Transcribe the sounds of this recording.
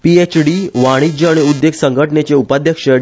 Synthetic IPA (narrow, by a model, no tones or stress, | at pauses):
piet͡ɕɖiʋaɽ̃id͡ʑəaɽiud̪jeɡsəŋɡʱəʈnet͡seupad̪ʱjəkʂə